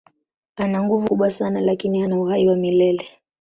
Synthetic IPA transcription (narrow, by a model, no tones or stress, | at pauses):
anaŋɡuvuɓwasanalakinianauhaiwamilɛlɛ